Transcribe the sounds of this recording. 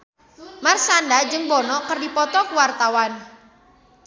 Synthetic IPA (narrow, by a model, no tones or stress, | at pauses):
marsandad͡ʒɨŋbɔnɔkərdipɔt̪ɔkuwart̪awan